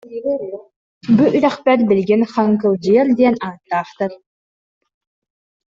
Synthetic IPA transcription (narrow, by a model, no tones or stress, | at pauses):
buʔyɾœχpɛɾbilɡinχaŋkɯlˠd͡ʑɯjɯɾd̪iɛnaːt̪ːaːχt̪aɾ